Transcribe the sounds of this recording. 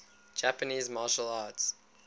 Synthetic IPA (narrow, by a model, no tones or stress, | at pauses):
d͡ʒæpəniːzmɑːʃəlɑːts